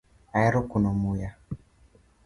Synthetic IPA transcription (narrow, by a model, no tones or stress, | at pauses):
aɛɾɔkunɔmuja